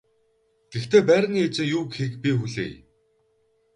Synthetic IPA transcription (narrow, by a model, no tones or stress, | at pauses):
ɡ̥ext̪eːpæːɾ̆niːet͡sɪ̆ŋjuːkxekpʲixuɮḛːj